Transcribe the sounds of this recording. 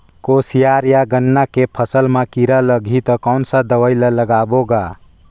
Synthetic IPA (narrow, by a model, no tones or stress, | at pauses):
kosijaɾjaɡənːakepʰəsəlmakiɾələɡʱit̪əkɔwnsəd̪əʋəjlələɡaboɡa